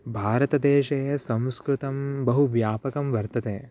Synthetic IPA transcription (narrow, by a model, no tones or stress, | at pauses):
bʱaːɾɐt̪ɐd̪eːʃɐjɐsɐ̃w̃skɾut̪ɐmbɐɦuʋjaːpɐkɐmʋɐɾt̪ɐt̪eː